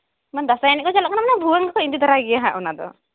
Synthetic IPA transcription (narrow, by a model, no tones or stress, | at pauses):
mand̪asaɛniʔkɔd͡ʒalaʔkanamanabuaŋkakɔint̪it̪əɾaɡiaɦaʔunad̪ɔ̰